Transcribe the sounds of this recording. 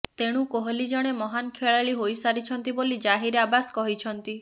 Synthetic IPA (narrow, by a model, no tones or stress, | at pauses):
t̪eɽ̃ũkoɦɔlid͡ʒɔɽ̃emɔɦankʰeɭaɭiɦojsaɾit͡ʃʰɔnt̪ibolid͡ʒaɦiɾabasɔ̥kɔɦit͡ʃʰɔnt̪i